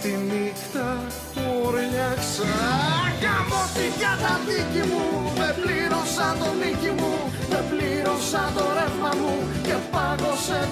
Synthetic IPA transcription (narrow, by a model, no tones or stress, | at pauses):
t̪inixt̪ɐ | puɾjɐkseɣɐmot̪içɐt̪ɐðicimumepliɾosɐt̪onicimu | vepliɾosɐt̪o̞ɾefɐmu | cepɐɣose